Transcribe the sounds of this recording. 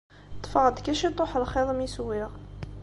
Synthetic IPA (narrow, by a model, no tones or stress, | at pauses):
t̪ːˤfɑʁəd̪kæʃit̪ˤoħəlχeðˤəmiswiʁ